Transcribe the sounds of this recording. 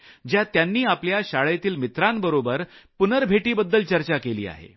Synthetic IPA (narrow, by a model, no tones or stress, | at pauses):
d͡ʑjat̪janːiːapljaɕaɭejt̪iːlmit̪ɾambəɾobəɾpunəɾbʱeʈiːbəd̪ːəlt͡ɕəɾt͡ɕakelḭːa̰ɦḛ